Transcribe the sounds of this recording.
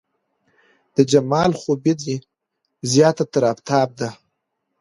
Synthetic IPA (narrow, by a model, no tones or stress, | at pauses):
d̪̥əd͡ʒamɑlxobidi | zjɑːt̪at̪aɾaft̪ʰɑːb̚d̪a